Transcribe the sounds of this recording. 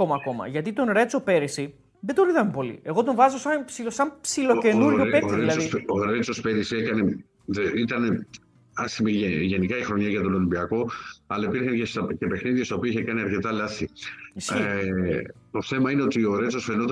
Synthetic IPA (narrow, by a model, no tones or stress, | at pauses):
omɐːko̞mɐ̰ʝɐt̪it̪o̞nɾe̞t͡so̞pe̞ɾisi | ðed̪oɾiðɐmepo̞lḭe̞ɣo̞t̪o̞ɱvɐzosɐpsilosɐmpsilo̞ce̞nuɾʝoeoɾelɐðosoɾet͡so̞spe̞ɾisiekɐne̞ | ðeit̪ɐne̞ | ɐst̪imieʝe̞nikɐixɾo̞ɲɐʝɐt̪o̞no̞limbiɐko̞ɐlɐipiɾçɐncest̪ɐcepe̞xniðiest̪ɐopiɐiçekɐniɐɾce̞t̪ɐlɐθisi | t̪o̞θemɐine̞o̞t̪io̞ɾe̞t͡so̞sfenot̪